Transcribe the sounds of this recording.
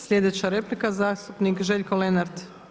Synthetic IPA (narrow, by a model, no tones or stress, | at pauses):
slʎʲe̞d̪et͡ɕaɾe̞plikazaːst̪upnikʒe̞ʎʲkolenaɾd̪